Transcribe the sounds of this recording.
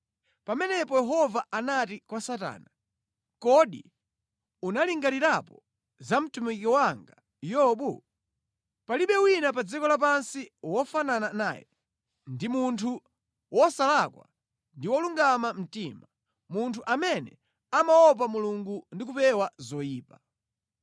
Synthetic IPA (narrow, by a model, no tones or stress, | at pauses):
pamɛnɛpɔjɛɦɔvaanatikwasata̰ːna | kɔɗḭ | unaliŋɡaniɾapɔ | zam̩tumikiwaŋɡa | jɔɓu | paliɓɛwinap̬ad͡zikɔlap̬ansiwɔfananana̰ːjɛ̰ | ndimuntʰu | wɔsalakwa̰ | ndiwɔluŋɡamam̩tima | muntʰuʔamɛnɛ̰ | amaɔp̬amuluŋɡundik̬upɛwazɔjiːpa